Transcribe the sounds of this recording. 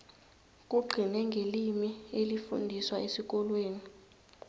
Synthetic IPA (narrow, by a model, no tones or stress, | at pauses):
k̬ʼuɡ͡ǃʱinɛŋɡʱelimielifṵndʱiswaʔesik̬ʼɔlweːni